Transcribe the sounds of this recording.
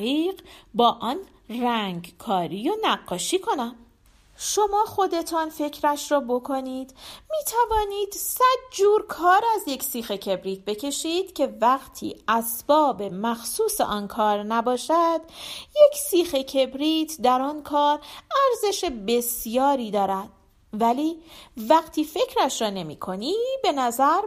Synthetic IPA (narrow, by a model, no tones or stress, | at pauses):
iːɢbɒːʔɒːn | ræŋɡkʰɒːɾijonæɢːɒːʃiːkʰo̞næm | ʃo̞mɒːxo̞d̪e̞t̪ʰɒːnfe̞cʰɾæʃɾɒːbo̞kʰo̞niːd̪̥miːt̪ʰævɒːniːd̪̥sæd̪̚d͡ʒuːɾkʰɒːɾæzje̞csiːxe̞cʰe̞bɾiːt̪̚ʰbe̞cʰe̞ʃiːd̪̥cʰe̞væɣt̪ʰḭːʔæsb̥ɒːbe̞mæxsuːsḛʔɒːnkʰɒːɾnæbɒːʃæd̪je̞kʰsiːxe̞cʰe̞bɾiːt̪ʰd̪æɾɒːnkʰɒːɾæɾze̞ʃe̞be̞sjɒːɾiːd̪ɒːɾæd̪̥̚ | væliːvæɡt̪ʰiːfe̞cʰɾæʃɾɒːne̞mḭːkʰo̞nibe̞næzæɾ